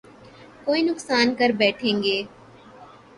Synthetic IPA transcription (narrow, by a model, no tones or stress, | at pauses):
koːinʊksaːnkɐɾbɛːʈʰẽːŋɡeː